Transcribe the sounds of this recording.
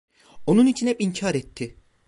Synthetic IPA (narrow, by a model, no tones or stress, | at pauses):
o̞nunit͡ʃʰinɛpiɲcʰaːɾɛt̪ʰːɪ